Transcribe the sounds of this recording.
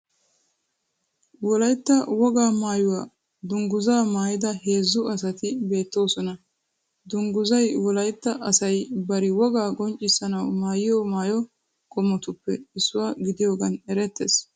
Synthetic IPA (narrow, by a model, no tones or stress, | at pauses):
wɔlɐjt̪ːɐwɔɡaːmaːjʊwaː | d̪ʊŋɡʊzaːmaːjɪd̪ɐhe̞ːzːʊɐsɐt̪ɪbe̞ːt̪ːo̞ːsɔnɐ | d̪ʊŋɡʊzɐjwɔlɐjt̪ːɐʔɐsɐjbɐɾɪwɔɡaːɡʼɔnt͡ʃʼːɪsːɐnɐwmaːjɪjomaːjɔ | kʼɔmːɔt̪ʊpːɛɪsːʊwaːɡɪd̪ɪjoːɡɐnɛɾɛt̪ːḛːs